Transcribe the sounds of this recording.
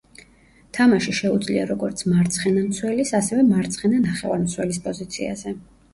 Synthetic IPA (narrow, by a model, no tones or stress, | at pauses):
t̪ʰamaʃiʃɛud̪zliaɾɔɡɔɾt̪sʰmaɾt̪sʰχɛnamt̪sʰwɛlisasɛvɛmaɾt̪sʰχɛnanaχɛva̰ɾmt̪sʰwɛlispʼɔzit̪sʰḭa̰zɛ